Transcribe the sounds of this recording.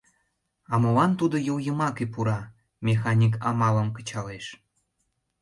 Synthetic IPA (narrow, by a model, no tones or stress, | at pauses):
ɑmolɑnt̪ud̪ojuwjəmɑkepuɾɑ | mʲexɑnʲik̬ɑmɑləmkə̥̆t͡ɕɑleʃ